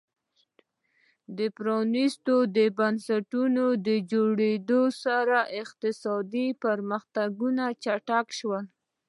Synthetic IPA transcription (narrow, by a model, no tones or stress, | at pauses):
d̪əpɾɑnist̪od̪əbansaʈunod̪əd͡ʒoɽed̪osaɾaʔɪqt̪ɪsɑd̪ipəɾməxt̪aɡunat͡ʃaʈakʃwəl